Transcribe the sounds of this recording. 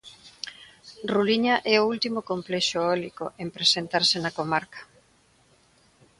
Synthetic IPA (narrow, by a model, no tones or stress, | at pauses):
ruliɲɐʔɛoult̪imokomplɛʃoɔlikoʔempɾesent̪aɾsenɐkomaɾkɐ̥